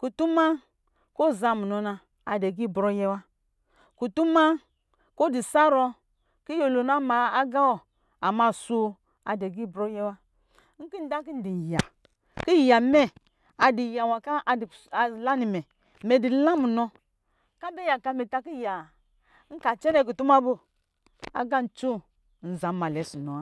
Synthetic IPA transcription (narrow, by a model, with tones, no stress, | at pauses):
ku˨tu˦ma˦ | ko˦˨za˧mu˨nɔ˧na˧ | a˨dɛ˨ɡi˦˨bɾɔ˧jɛ˧wa˦ | ku˨tu˦ma˦ | ko˦di˨sa˦ɾɔ˧ | ki˦jo˧lo˨na˦ma˨a˦ɡa˦wɔ˨ | a˨ma˧˨su˧ | a˨de˨ɡi˦˨bɾɔ˧jɛ˧wa˧˦ | ŋ̩˦ki˦n˦da˦k̬i˦n̩˦di˨ja˨ | ki˦˨ja˨mɛ˦ | a˨di˨ja˨wa˨ka˦ʔla˦ni˨mɛ˨ | mɛ˨di˨la˦mu˨nɔ˧ | ka˦bɛ˦ja˨ka˧mɛ˨ta˧ki˦ja˨˦ | ŋ̩˦ka˨t͡ʃɛ˦ɾɛ˦k̬u˨tu˦ma˦bo˦ | a̰˨ɡa˦n̩˨t͡ʃu˦˨ | n̩˨za˨˦ma˨lɛ˨˦su˨nɔ˨˦